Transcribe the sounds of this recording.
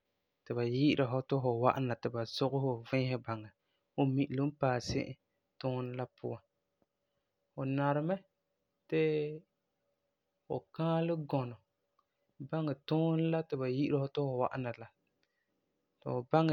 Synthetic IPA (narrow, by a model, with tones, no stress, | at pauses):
tɨ˨ba˨ji˦ʔɪ˦ɾʔa˨ɦʊ˦tʊ˦ɦʊ˨wa̰˦ʔa˦na˨tɨ˨ba˨z̥ʊ˦ɣʊ˦hʊ˨vɪ̃˦hɛ˦ba˨ŋɛ˨ | o˦mi˨ʔlo˦m˦paː˨sɪ̰˦ʔɪ˦ | tʊ˦n˦la˦pʰʊ̰˦wa˨ | fʊ˨na˨ɾɨ˨mɛ˦ | tɪ˦ | ʊ̰˨kaː˦lɪ˦ɡɔ˨nʊ˨ | ba˦ŋɛ˨tʊ˦n˦la˦tɪ˨ba˨ji˦ʔɪ˦ɾa˦hʊ˦tʊ˦hʊ˨wa̰˦ʔa˦na˨la˨ | tʊ˨ba˦ŋ˨